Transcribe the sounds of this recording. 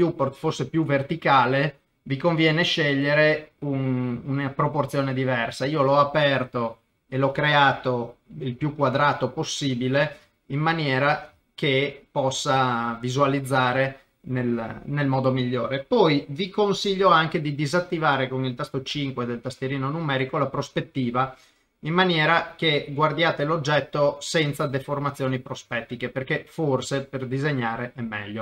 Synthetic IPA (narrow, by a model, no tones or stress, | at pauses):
juport̪fosːepjuvert̪ikaːle | vikoɱvjɛːneʃɛʎːeɾeununapɾoport̪sjoːned̪ivɛrsaiːolɔapɛrt̪o | elɔkːɾeaːt̪oilpjukːwad̪ɾaːt̪oposːiːbile | imːanjɛːɾa | kepɔsːavizualid̪zːaːɾe | nelnelmɔːd̪omiʎːoːɾepɔjvikonsiʎːoaŋk̟ed̪id̪izat̪ːivaːɾekoŋilt̪ast̪ot͡ʃiŋkwed̪elt̪ast̪jeɾiːnonumɛːɾikolapɾospet̪ːiːva | imːanjɛːɾakeɡward̪jaːt̪elod͡ʒːɛt̪ːosɛnt̪sad̪eformat̪sjoːnipɾospɛt̪ːikeperkeforseperd̪izeɲːaːɾeʔɛmːɛ̰ʎːo